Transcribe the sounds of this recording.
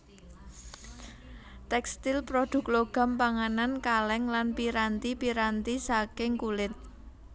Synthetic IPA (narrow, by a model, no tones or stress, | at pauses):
t̪ɛkst̪ilpɾod̪̥ṳkloɡ̥a̤mpaŋanankalɛŋlanpiɾant̪ipiɾant̪isakɪŋkulɪt̪̚